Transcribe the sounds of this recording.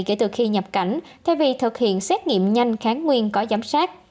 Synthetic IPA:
ke˧˩t̪ɨ˨˩xi˧ɲə˨˩p̚ka˧˩jŋ̟t̪ʰɛ˧˩wvi˨˩t̪ʰɨ˨˩k̚hḭ˧˨ənsɛ˦˥t̚ŋḭ˧˨əmɲa˧jŋ̟xaː˨˦nŋwi˧ənkɔ˨˦zaː˨˦msaː˦˥t̚

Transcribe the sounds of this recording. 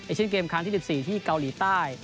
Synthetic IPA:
e˧˩t͡ɕʰi˥˨nk̬eː˧mkʰaː˧ŋʰi˥˩i˨˩siː˨˩t̪ʰiː˥˩ka˧wliː˩˦t̪aː˥˩j

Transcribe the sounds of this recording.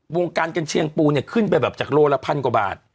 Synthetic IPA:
wo˧ŋkaː˧nka˧nt͡ɕʰi˧əŋpuː˧ni˧˩kʰɯ˥˩npa˧jbɛː˨˩p̚t͡ɕaː˨˩k̚loː˧˩lɛ˦˧˥pʰa˧nkwa˨˩ba̰ː˨˩t̪̚

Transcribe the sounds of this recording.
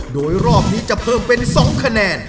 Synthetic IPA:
doː˧jɾɔː˥˩p̚niː˦˥t͡ɕa˨˩ʔpʰɤː˧˩mpe˧nsɔ˩˦ŋkʰa˧nɛː˧n

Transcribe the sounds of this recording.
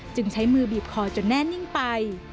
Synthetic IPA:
t͡ɕɯ˧ŋt͡ɕʰa˦˥jmɯː˧biː˨˩p̚kʰɔː˧˩t͡ɕo˧˩nːɛː˥˩ni˥˩ŋpa˧j

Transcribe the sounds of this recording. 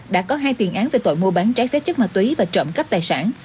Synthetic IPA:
ɗa̰ː˧˥kɔ˨˦ɦaː˧jt̪i˨˩ənʔaː˨˦nve˨˩t̪o̰˧˨jmu˧əɓaː˨˦nt͡ɕaː˨˦jsɛ˦˥t̚t͡ɕɨ˦˥k̚maː˨˩t̪wi˨˦vaː˨˩t͡ɕə̰˧˨ŋ͡mkə˦˥p̚t̪aː˨˩jsa̰ː˧˩n

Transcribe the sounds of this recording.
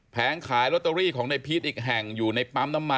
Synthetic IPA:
pʰɛː˨˩˦nkʰaː˨˩˦jɾo˦˥t̪ːa˧ɾiː˥˩kʰɔː˩˦ŋna˧jpʰiː˦˥t̪̚ʔiː˨˩k̚ɦɛ˨˩ŋjuː˨˩na˧jpa˧mna˧mːa˧

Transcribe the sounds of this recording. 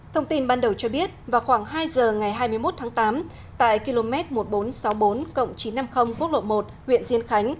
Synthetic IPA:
t̪ʰə˧wŋ͡mt̪i˧nɓaː˧nɗə˨˩wt͡ɕɔ˧ɓi˦˥ət̚vaː˨˩wxwaː˧˩ŋɦaː˧jzəː˨˩ŋa˨˩jɦaː˧jmɨ˧əjmo˦˥t̚t̪ʰaː˨˦ŋt̪aː˨˦m | t̪a̰ː˧˨jki˧lo˧mɛ˦˥t̚mo˨˩t̚ɓo˨˦nsa˨˦wɓo˨˦nkə̰˧˨wŋ͡mt͡ɕi˨˦nːa˧mxə˧wŋ͡mku˦˥ək̚lo̰˧˨mo˨˩t̚hwḭ˧˨ənzi˧ənxa˨˦jŋ̟

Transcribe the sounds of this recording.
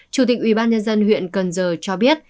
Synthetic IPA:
t͡ɕu˨˧˩t̪̬ï˨˩k̚ʔwi˨˧˩ɓaː˧nɲə˧nzə˧nhwḭ˧˨ənkə˨˩nzəː˨˩t͡ɕɔ˧ɓi˦˥ət̚

